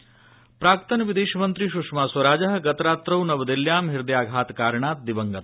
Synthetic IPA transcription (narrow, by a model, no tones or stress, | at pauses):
pɾaːkt̪ɐnɐʋid̪eːʃɐmɐnt̪ɾiʃukʂmaːswɐɾaːd͡ʒɐɦɐ̆ɡɐt̪ɾaːt̪ɾɐwnɐʋɐd̪iljaːmɦiɾd̪jaːɡʱaːt̪kaːɾɳaːt̪̚d̪ibɐŋɡɐt̪